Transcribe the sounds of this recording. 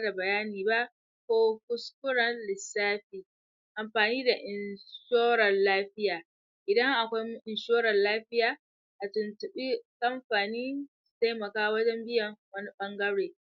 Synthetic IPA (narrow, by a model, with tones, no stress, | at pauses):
da˨bɐ˨jaː˦niː˨ba˦ʔ | kʷoː˦kʊ˦skʷʊ˦ɽɐ˨nlɪ˨saː˦ɸiː˨ | ʔa˨mɸaː˨niː˦da˨ʔɪ˨nʃoː˦ɽɐ˨nlaː˦ɸɪ˦jaː˨ | ʔɪ˨dɐ˦ŋʔa˨kʷa˦jʔɪ˨nʃoː˦ɾɐ˨nlaː˦ɸɪ˦jaː˨ | ʔa˨tʊ˨ntʊ˨ɓiː˦ka˦mɸaː˨niː˦su̥˨ta˦jmɐ˨kaː˦wɐ˦d͡ʒɛ˦mbɪ˦jɐ˨ŋwɐ˦ni˦ɓɐ˦ŋɡɐ˦ɽeː˨